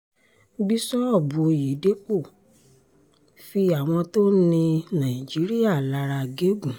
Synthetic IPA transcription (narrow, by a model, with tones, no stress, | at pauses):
bi˦sɔ˦ɔ˦˨bu˨ji˨˦de˨˦k͡po˦˨ | fi˧a˨w̃ɔ̃˧to˦nĩ˧nã˨i˨d͡ʒi˨˦ɾi˦a˦˨la˧ɾa˧ɡe˦ɡũ˨